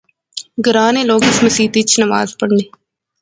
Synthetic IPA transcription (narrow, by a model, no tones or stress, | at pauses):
ɡəɾaːnẽːloːɡɪsmɐsiːt̪iːt͡ʃʰnɐʋa̰ːzpɐɽneː